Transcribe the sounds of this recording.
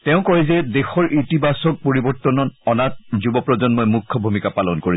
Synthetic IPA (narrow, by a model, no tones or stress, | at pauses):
tɛʊ̃kɔɹɛzɛdexɔɹʔitibasɔk̚poɹibɔɹt̪ɔnɔnɔnat̚zubɔpɹɔzɔnmojmukʰːɔbʱumikapalɔnkoɹi